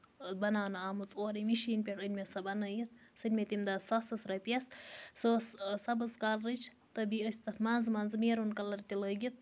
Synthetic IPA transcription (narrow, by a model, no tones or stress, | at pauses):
bɐnaːnɐaːmɨt͡sʼoːɾimiʃiːnpʲeʈənʲmʲesɐbɐnɐjit̪̚sɨnʲmet̪imd̪asɐsɐsɾɐpjɐssəssɐbɐzkaːlɾɨt͡ʃʰ | t̪ɐbiəsʲt̪ɐt̪manzmɐnzmeːɾunkɐlɐɾt̪iləɡʲit̪̚